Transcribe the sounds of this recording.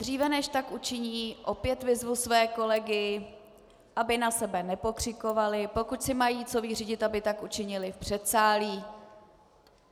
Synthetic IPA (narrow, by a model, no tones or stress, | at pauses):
dr̝iːvɛnɛʃt̪akut͡ʃɪɲiːʔo̞pjɛt̪vɪzvusvɛːko̞lɛɡɪ | ʔabɪnasɛbɛnɛpo̞kr̝̥ɪko̞valɪpo̞kucsɪmajiːt͡so̞viːriɟɪt̪abɪt̪akʔut͡ʃɪɲɪlɪfpr̝̥ɛt̪saːliː